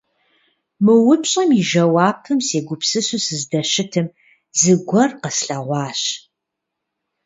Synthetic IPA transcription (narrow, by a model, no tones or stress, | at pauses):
mɨwʊpɕʼɐmiʒɐwɑːppʰɨmseːɡʷʊpsɨsusɨzdɐɕɪtʰɨm | zɨɡʷɐrqəsɬɐʁʷɑːɕ